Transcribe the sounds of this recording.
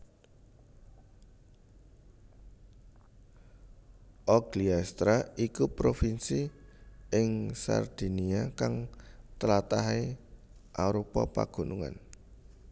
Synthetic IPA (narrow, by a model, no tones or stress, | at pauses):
ʔɔɡ̥liast̪ɾaikupɾofinsiʔɪŋsa̰rd̪̥i̤niakaŋt̪əlat̪aɦe | ʔaɾopɔ̰pa̰ɡ̥ṳnuŋa̰n